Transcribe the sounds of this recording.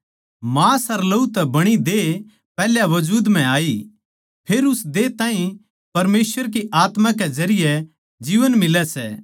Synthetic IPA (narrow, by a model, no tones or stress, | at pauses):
maːsɐɾlɐut̪ɛbɐɽ̃id̪e | pɛːljaʋɐd͡ʒuːd̪m̤ɛ̃aːi | pʰeːɾʊsd̪eːt̪ãːĩ | pɐɾmeːsʋəɾk̬iʔaːt̪mãkɛzɐɾɪjɛ | d͡ʒiːʋənmɪlɛsɛ̰ː